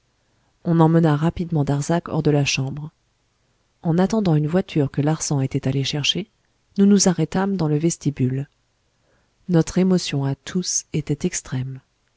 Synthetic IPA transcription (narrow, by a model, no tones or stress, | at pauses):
ɔ̃nɑ̃mənaʁapid̪mɑ̃d̪aʁzakɔ̰ʁd̪əlaʃɑ̃bʁ | ɑ̃nat̪ɑ̃d̪ɑ̃ynvwat̪ʰyʁkəlaʁsɑ̃et̪ɛt̪aleʃɛʁʃe | nunuzaʁɛt̪amd̪ɑ̃ləvɛst̪ibyl | nɔt̪χemɔsjɔ̃at̪ʰuset̪ɛt̪ɛkst̪χɛm